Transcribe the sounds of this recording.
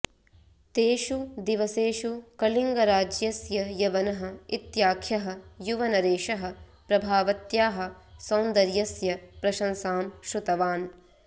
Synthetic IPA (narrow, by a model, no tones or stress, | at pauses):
t̪eːʃud̪iʋɐseːʃukɐliŋɡɐɾaːd͡ʒjɐsjɐjɐʋɐnɐɦɐ̆it̪jaːkʰjɐɦɐ̆juʋɐnɐɾeːʃɐɦɐ̆pɾɐbʱaːʋɐt̪jaːɦɐ̆ | sɐːnd̪ɐɾjɐsjɐpɾɐʃɐnsaːmʃɾut̪ɐʋaːn